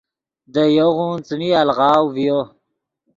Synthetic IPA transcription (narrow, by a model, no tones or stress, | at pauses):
d̪əjoɣũnt͡snialʁɑːwvijo